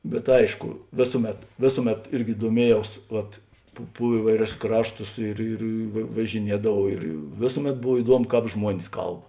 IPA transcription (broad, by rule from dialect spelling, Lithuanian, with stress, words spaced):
bʲɛt ˈɐɪʃkʊ ˈʋʲeːsʊˌmʲɛt ˈʋʲeːsʊˌmʲɛt ˈɪrʲɡʲɪ duɔˈmʲiɛjɛʊs ʋɐt pʊ pʊ ˈiːʋɐɪˌrʲʊs ˈkrɑːʃˌtʊs ɪr ɪr ʋɐ ʋɐʒʲɪˈnʲiɛdɐʋɐʊ ɪr ˈʋʲeːsʊˌmʲɛt ˈboːw ɪˈduɔmʊ ˈkɑːp ˈʒmuɔnʲɪs ˈkɐlˠp